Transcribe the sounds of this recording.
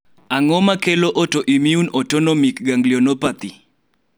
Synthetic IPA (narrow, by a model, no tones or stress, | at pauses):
aŋɔmakeloʔɔtoʔimiunɔtɔnɔmikɡaŋɡlionɔpat̪i